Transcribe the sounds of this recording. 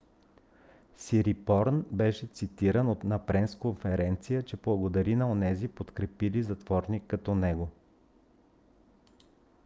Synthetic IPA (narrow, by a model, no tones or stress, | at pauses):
siɾipɔɾnbɛʃɛt̪sit̪iɾənot̪nɐpɾɛnskonfɛɾɛnt̪sijət͡ʃɛblˠɐɡod̪ɐɾinɐonɛzipot̪kɾɛpilizɐt̪vɔɾnikːɐt̪ɔnɛɡo